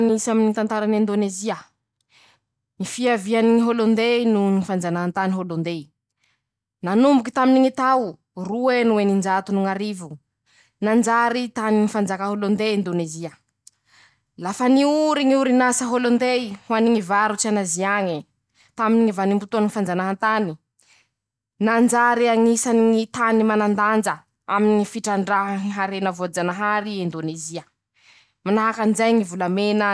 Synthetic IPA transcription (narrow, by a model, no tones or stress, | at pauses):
nisaminit̪ant̪aɾanind̪oneziə | nifiavianiŋiɦolond̪enunifand͡zanant̪aniɦolond̪e | nanumbuki̥t̪aminiŋit̪aw | ruenuenind͡ʒat̪unuŋaɾivu | nand͡ʒaɾit̪aninifand͡zakaɦolond̪eind̪oneziə | lafəniuɾiŋiuɾinasəɦolond̪eihuaniŋivaɾut͡sianaziaɲi | t̪aminiŋivanimbut̪uanfand͡zanaɦant̪ani | nand͡ʒaɾiaŋisaniŋit̪animanand̪and͡zə | aminŋifiʈ͡ʂaɳɖ͡ʐaɦaiɦaɾenəvod͡zanaɦaɾiind̪oneziə | manaɦakanizajŋivulamenə